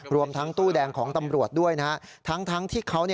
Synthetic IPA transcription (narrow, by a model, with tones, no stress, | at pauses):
ɾu˧əmt̪ʰa˦˥ŋt̪uː˥˩dɛː˧ŋkʰɔː˩˦ŋt̪a˧mɾu˨˩ət̪̚du˥˩əjna˦˥a˦˥t̪ʰa˦˥ŋt̪ʰa˦˥ŋt̪ʰiː˥˩kʰa˦˥wni˥˩